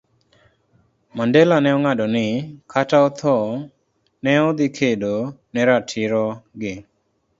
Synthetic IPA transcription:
mandelanɛɔŋaɗɔnɪkʰataɔt̪ʰɔ | nɛɔd̪ikʰedonɛɾatʰɪɾɔɡɪ

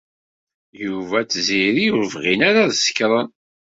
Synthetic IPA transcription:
juvæt͡sːziɾijuɾvʁinaɾaðsə̥kɾˤɑn

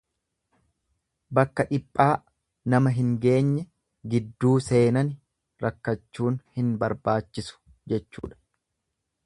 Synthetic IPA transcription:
bɐkːɐᶑɪpʼːaː | nɐmɐɦɪŋɡe̞ːɲːɛ | ɡɪd̪ːuːse̞ːnɐn | ɾɐkːɐt͡ʃːuːnhɪnbɐɾbaːt͡ʃːɪsʊ̥ | d͡ʒɛt͡ʃːṵːᶑɐ̥

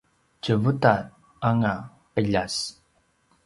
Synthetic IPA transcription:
t͡ʃəvuta | aŋa | əʎas

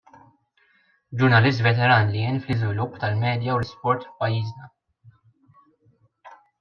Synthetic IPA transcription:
d͡ʒʊɾnɐlɪs̬t̪vɛt̪ɛɾɐːnlijɪːnflɪzvɪlʊpːt̪ɐlmɛːd̪jɐwɾɪspɔɾt̪fpɐjːiːznɐ

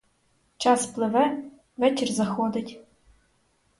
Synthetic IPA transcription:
t͡ʃʰasplɨvɐ | vɛtʲɪrzɐxod̪ɐtʲ

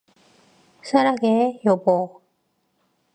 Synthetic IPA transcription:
sʰaɾaɡejobo

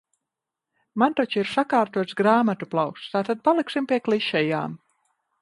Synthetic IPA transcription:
mant̪ɔt͡ʃiɾsakaːɾt̪uɔt̪sɡɾaːmat̪uplˠawkst̪aːt̪ad̪̚palˠiksimpʲiɛklˠiʃɛja̰ːm

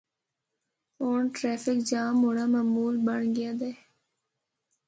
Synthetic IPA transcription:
oːɳʈɾɛːfɪkd͡ʒaːmʊɽamamuːlbəɳɡɪjaːd̪eː

